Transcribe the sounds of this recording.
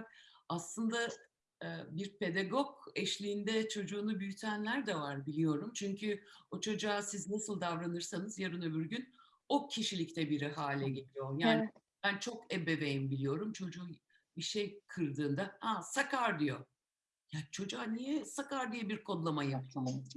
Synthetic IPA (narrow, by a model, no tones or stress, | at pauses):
aslˠɯnd̪a | biɾpe̞d̪aɡo̞ɡɛʃlʲiːnd̪ɛt͡ʃʰo̞d͡ʒuːnubyjyt̪ʰænlʲæɾd̪ɛvaɾbilʲijo̞ɾumt͡ʃʰyɲcʰyot͡ʃʰo̞d͡ʒuasiznasɯlˠd̪avɾanɯɾsanɯzjaɾɯnøbyɾɟyn | o̞cʰiʃilʲict̪ʰɛbiɾiɦaːlʲɛɟe̞lʲijo̞ɾjaːnɪ | bænt͡ʃʰo̞kɛbevejimbilʲijo̞ɾumt͡ʃʰo̞d͡ʒu | biʃejkʰɯɾd̪ɯːnd̪ahasakʰaɾd̪ijo̞ | jat͡ʃʰo̞d͡ʒuanijɛsakaɾd̪ijɛbiɾkʰod̪lˠamajap̚t̪ʰa